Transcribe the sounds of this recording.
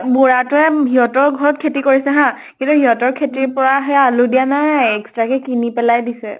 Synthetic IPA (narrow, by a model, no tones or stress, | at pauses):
bɔɹatʊɛɦiɦɔtɔɹɡʱɔɹɔt̚kʰetikoɹisɛɦã | kĩntuɦiɦɔtɔɹkʰetiɹpɔɹaɦɛaludijanajɛkstɹakɛkinipɛlajdisɛ